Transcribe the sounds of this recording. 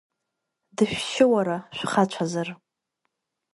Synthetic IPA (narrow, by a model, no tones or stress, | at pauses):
dɨʃᶣʃɪwaɾaʃᶣʷχat͡ʃʷʰazar